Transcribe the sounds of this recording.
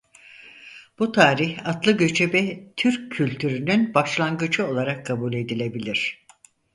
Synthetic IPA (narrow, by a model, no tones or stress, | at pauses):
b̥ut̪ʰaːɾiçat̪lˠɯɟø̞t͡ʃʰɛbɛt̪ʰyɾcʰːylʲt̪ʰyɾynynbaʃlˠaŋɡɯd͡ʒɯo̞lˠaɾakʰːabulʲe̞d̪ilʲe̞bilʲiɾ̝̥